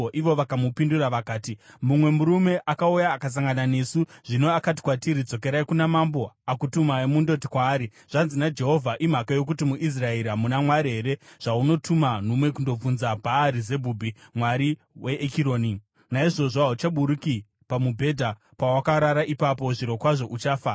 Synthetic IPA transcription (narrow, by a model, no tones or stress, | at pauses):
ʔiʋo̞ʋakamupinduɾaʋakaːtimumwe̞muɾume̞ʔakaujaːkas̬aŋɡanane̞suʐ̥ino̞akat̬i̥kwatiɾid͡zo̞k̬e̞ɾaikunamambo̞akutumaimundo̞t̬ikwaːɾi | ʐ̥anzinad͡ʒe̞ɦo̞vʱaʔim̤akajo̞k̬utimuʔis̬raeɾamunamwaɾiɦe̞ɾe̞ʐ̥auno̞tʰuman̤omwe̞kundo̞b͡vunzabʱaːɾize̞bʱubʱimwaɾi | we̞ʔːkiɾoːni | naiʐo̞ʐoaut͡ʃaɓuɾuki | pamubʱe̞dʱa | pawakaɾaɾaʔipapo̞ʐiɾo̞kwaʐo̞ʔut͡ʃaːfa